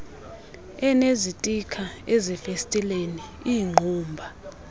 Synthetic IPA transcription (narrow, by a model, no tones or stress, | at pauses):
ɛnezitʼikʰaezifestʼileniiːŋ͡ǃʱuːmbʱa